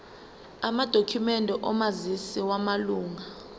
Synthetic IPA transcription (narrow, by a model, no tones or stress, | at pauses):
amad̥ʱokʰumɛndʱɛʔɔmazisiwamaluːŋa